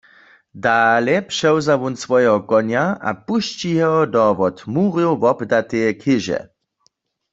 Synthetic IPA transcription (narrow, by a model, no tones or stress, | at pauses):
daːlɛpʃɛwzaʋunsʋɔjɛɦɔkɔnjaa̰puʃt͡ʃiɦɛɔdɔʋɔtmuːʁjwvɔbdat̪ejɛkʰɪʒɛ̰